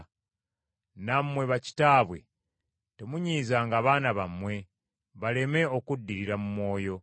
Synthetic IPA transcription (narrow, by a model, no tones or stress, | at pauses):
namwe̞βaci̥taːβwe̞̰ | temuɲiːzaŋɡaːβaːnaβamwe̞ | βale̞me̞o̞kudːiɾiɾamumwo̞ːjo̞